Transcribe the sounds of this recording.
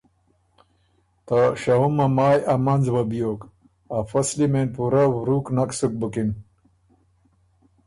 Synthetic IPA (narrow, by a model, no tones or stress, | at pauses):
t̪aɕɐɦumɐmaːjɐmɐnzwɐbijoːk | ɐfɐslimenpuɾawɾuːknɐksuk̚bukin